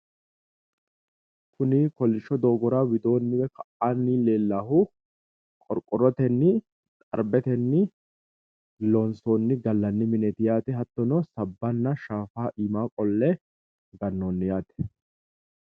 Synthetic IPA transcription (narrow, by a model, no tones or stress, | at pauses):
kʰʊnɪkɔlːɪʃːɔd̪o̞ːɡɔɾaːwɪd̪o̞ːnːɪwɛkɐʔaːnːileːlːaːhʊ | kʼɔɾkʼɔɾɔt̪ɛnːɪ | t̪ʼɐ̰ɾbɛt̪ɛnːɪ | lɔnsoːnːɪɡɐlːɐnːɪmɪnɛt̪ɪjaːt̪ɛɦɐt̪ːɔnɔsɐbːɐnːɐʃaːfaːʔiːmaːkʼɔlːɛ | ɡɐnːoːnːɪjaːt̪ɛ̥